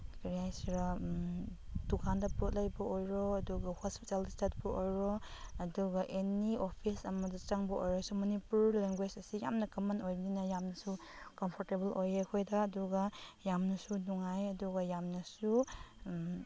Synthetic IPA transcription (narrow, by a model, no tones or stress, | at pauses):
kɾiajsɾa | tukʰandɐpot̚lɐjbɐojɾɔɐduɡɐhospi̥talstet̚bɐʔojɾɔɐduɡɐʔeniopʰisɐmɐdɐt͡ʃaŋbɐojɾɔsumɐnipuɾleŋɡwesɐsija̰mnɐkɐmɐnojbɐninɐjamnɐsu | kɐmpʰoɾtebɐlojekʰojdɐːduɡɐjamnɐsunuŋajɐduɡɐjamnɐsu